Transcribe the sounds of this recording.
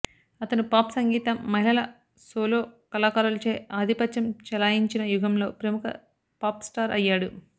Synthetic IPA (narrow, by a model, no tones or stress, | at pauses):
ɐt̪ɐnupaːpsɐŋɡiːt̪ɐmːɐɦilɐlɐ | soːlo̞ːkɐlaːkaːɾɐlt͡ʃeːʔaːd̪ʱipɐt̪ʃɐmt͡ʃɛlaːjiɲt͡ʃinɐjuɡʱɐmlo̞ːpɾɐmukɐ̰ | paːpsʈaːɾʔɐjːaːɽu